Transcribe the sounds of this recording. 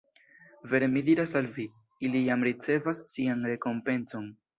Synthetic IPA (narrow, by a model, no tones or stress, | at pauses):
ve̞ɾe̞midiɾasalvi | ilijamɾit͡se̞vasːianɾe̞ko̞mpe̞nso̞n